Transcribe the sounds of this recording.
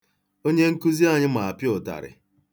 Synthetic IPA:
o˦ɲe˦ŋ̩˦ku˦zi˦a˨ɲɪ˦ma˨a˨pjʊ˨ta̰˨ɾɪ̰˨

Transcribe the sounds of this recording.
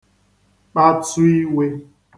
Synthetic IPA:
k͡pa˦tu˦i˦we˦

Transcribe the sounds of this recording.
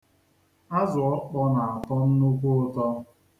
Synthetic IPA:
a˦zʊ˨ɔ˦k͡pɔ˦na˨a˨tɔ˦n̩˦nu˦kʷʊ˦ʊ˦tɔ˦

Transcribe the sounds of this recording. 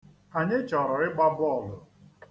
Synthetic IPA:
a˨ɲɪ˦t͡ʃɔ˨ɾɔ˨ɾɪ˦ɡ͡ba˦bʊ˦ɔ˦˨lʊ˨

